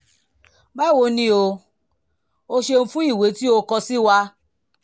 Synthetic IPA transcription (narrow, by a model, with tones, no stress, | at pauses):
ba˦˨wo˧nĩ˦o˧ | o˧ʃe˧n̩˦˧fũ˦i˦˨we˨˦ti˦o˧kɔ˧si˦wa˧˦